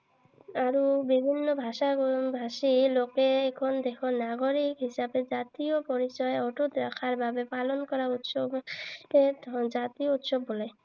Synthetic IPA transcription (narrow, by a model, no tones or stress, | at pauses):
aɾubibʱinːobʱaʃabʱaʃilokeekʰond̪ekʰonaɡoɾikɦiʃabed͡ʒat̪iopɔɾit͡ɕɔeɔʈot̪ɾakʰaɾbʱabepalonkɔɾaɾut̪ʃobed͡ʒat̪iout̪ʃobːole